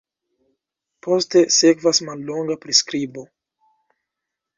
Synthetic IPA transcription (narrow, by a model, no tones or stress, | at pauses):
pʰo̞ste̞se̞kvasmalːo̞ŋɡapɾiskɾibo̞